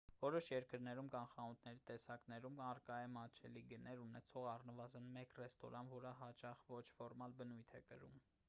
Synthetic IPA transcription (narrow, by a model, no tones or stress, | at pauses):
vɔɾɔʃjɛɾkəɾnɛɾumkɑnχɑnut̪ʰnɛɾit̪ɛsɑknɛɾumɑɾkɑɛmɑt͡ʃʰɛliɡənɛɾunɛt͡sʰɔʁɑrnəvɑzənmɛkrɛst̪ɔ̰ɾɑnvɔɾəɦɑt͡ʃɑχvɔt͡ʃʰfɔɾmɑlbənujt̪ʰɛkəɾum